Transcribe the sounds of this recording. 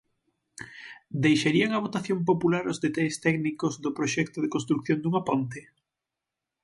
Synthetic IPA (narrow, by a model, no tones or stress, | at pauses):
d̪ejʃaɾiaŋaβot̪aθjompopulaɾozðet̪aʎest̪ɛknikozðʊpɾoʃɛkt̪oðekonst̪ɾuk̚θjond̪uŋapont̪e